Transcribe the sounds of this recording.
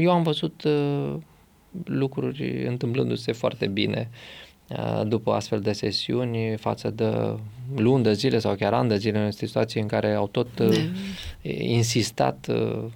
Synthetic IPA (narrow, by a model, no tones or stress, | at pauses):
je̞wamvəzut̪ | lukɾurʲɨ̰nt̪ɨmplɨnd̪use̞foa̰rt̪e̞bine̞̰ | ə̰d̪upəa̰st̪fe̞ld̪e̞se̞siunʲfa̰t̪səd̪ə̰lund̪əzile̞sawkʲaɾa̰nd̪əzilesii̥t̪uat̪sijeɨŋkaɾe̞awt̪o̞t̪ | insist̪a̰t̪